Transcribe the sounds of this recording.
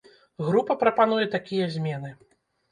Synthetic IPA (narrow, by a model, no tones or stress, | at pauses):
ɣɾupɐpɾɐpan̪ujɛt̪akʲijɐzʲmʲɛnɨ